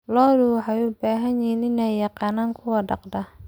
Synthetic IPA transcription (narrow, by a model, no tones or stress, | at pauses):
lɔːduħɐjuːbaːɦɐnjinɪnɛjjɑqɑːnaːŋkʰʊwɐɖɑqd̪ɐ